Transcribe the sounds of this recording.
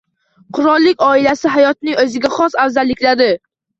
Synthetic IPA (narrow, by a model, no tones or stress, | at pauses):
qʰʊɾɒlˠːɪkʲɒɪlasɪɦajɒt̪̚nɪŋɵzɪɡʲaχɒsawzalːɪkʲlad̪ɪ